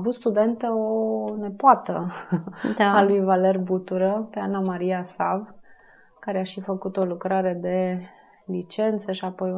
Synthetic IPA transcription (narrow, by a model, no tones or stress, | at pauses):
vut̪st̪ud̪e̞nt̪əone̞poat̪ə | d̪aalujvale̞rbut̪uɾəpe̞anamaɾiasav | kaɾeaʃifəkut̪o̞lukɾaɾe̞d̪e̞ | lit͡ʃe̞nt̪səʃiapo̞j